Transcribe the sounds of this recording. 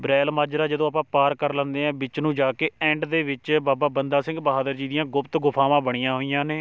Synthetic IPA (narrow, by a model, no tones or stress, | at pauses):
bɾɛːlmaːd͡ʒɾaːd͡ʒəd̪õːapãːpaːɾkəɾlə̃ːnd̪eːɛ̃ːbɪt͡ʃnũːd͡ʒaːkeːɛ̃ːɳɖd̪eːʋɪt͡ʃbaːbaːbənd̪aːsɪ̃ŋɡbəɦaːd̪əɾd͡ʒiːd̪ɪjãːɡʊpt̪ɡʊpʰãːmãːbəɽ̃ijãːɦoːijãːneː